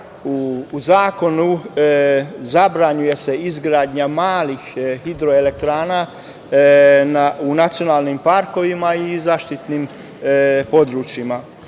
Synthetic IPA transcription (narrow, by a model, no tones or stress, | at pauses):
uːzaːko̞nu | zabɾaɲuje̞se̞izɡɾaːd̪ɲamaːlixhid̪ɾo̞ele̞k̚t̪ɾaːna | naunat̪sijo̞naːlˠnimpaɾko̞ʋimaizaːʃt̪it̪nim | po̞d̪ɾut͡ʃjima